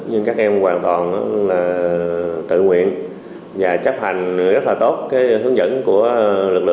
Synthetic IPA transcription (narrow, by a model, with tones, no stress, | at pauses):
ɲɨ˧ŋkaː˦˥k̚ʔɛ˧mkwaː˨˩nt̪wɔ˨˩nː˨˧˦laː˨˩ | t̪ɨ̰˧˨ŋwḭ˧˨ən | vaː˨˩t͡ɕə˦˥p̚ha˨˩jŋ̟ɣə˦˥t̚laː˨˩t̪o˦˥t̚kaː˨˦jhɨ˨˦əŋzə̰˧˥nku˧˩əlɨ˨˩k̚lɨ̰˧˨